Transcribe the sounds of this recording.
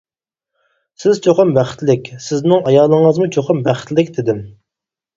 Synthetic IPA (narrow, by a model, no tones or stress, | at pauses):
sɪzt͡ʃʰoqʊmbæχt̪lɪkʲsɪznɪŋɑjɑːlˠəŋəzmut͡ʃʰoqʰɑmbæχt̪lɪkʲd̪ɪd̪ɪm